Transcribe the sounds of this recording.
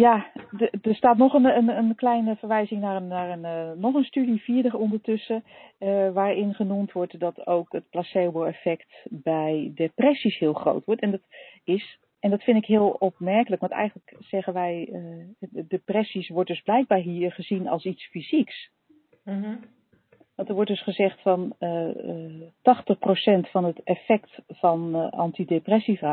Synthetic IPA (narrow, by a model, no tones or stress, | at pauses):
jadəɹstaːt̬nɔχənənənklɛjnəvəɹʋɛjzɪŋnaːənaːɹənːɔχənstydifiəɹdəχɔndəɹtʏsə | ʋaːɹɪnχənumtʋɔɹtdɔtʰowkət̚plasebəlɛfɛktbɛjdəprɛsishɪːlˠxro̰wtʋɔɹtɛndɔtɪs | ɛndɑtfɪndɪkɦɪːəlˠɔp̚mɛɹkələkʋɑntɛ̰jχənləkz̥ɛχənʋɛj | deprɛsisʋɔɹtdɵzblɛjk̚baːɹɦiːɹχəzinɑ̰lˠsitsfiziks | ʋɑntəɹʋɔɹtdɵsχəzɛχtfɑnə | tɑχtəχprowsɛntfɑnətɛfɛktfɑnɑ̰ntideprɛsiva